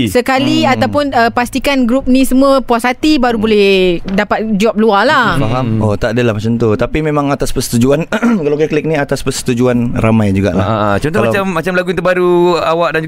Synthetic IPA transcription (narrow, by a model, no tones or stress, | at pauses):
səkaliaawpʊnəpast̪ikanɡɾup̚nĩsəmãpuasat̪ibaɾubolɛhdapat̪̚d͡ʒɔp̚lualafaɦamot̪aʔdəlahmat͡ʃamt̪ut̪apimemãŋat̪aspərsə̥t̪ud͡ʒuankalawkɛklɛk̚niat̪aspərsə̥t̪ud͡ʒuanra̰majd͡ʒuɡa̰ʔla̰t͡ʃɔ̃nt̪ɔmaaamːat͡ʃamlaɡuĩnt̪əbaɾuawaʔ̚dand͡ʒ